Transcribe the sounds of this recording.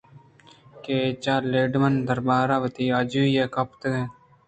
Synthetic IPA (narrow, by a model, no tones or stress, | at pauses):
keːt͡ʃaːleːɖmɐnd̪ɐɾbaːɾaʋət̪iːad͡ʒuijekɐpʰt̪ɡe